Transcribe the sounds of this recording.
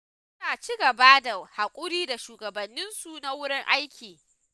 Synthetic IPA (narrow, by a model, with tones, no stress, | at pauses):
ʊ˦naː˨t͡ʃi˦ɡɐ˨ba˦da˨ha˨kʷʼʊ˦ɾiː˦da˨ʃuː˨ɡɐ˨bɐ˨nːɪ˦nsu˨na˦wʊ˦ɽɪ˦ŋʔa˦jkʲiː˨